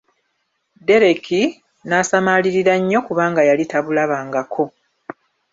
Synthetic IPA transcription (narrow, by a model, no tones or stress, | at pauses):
de̞ɾe̞kʰi | nasamaliɾiɾaɲːo̞kuβaːŋɡajalitaβulaβaːŋɡakʰo̞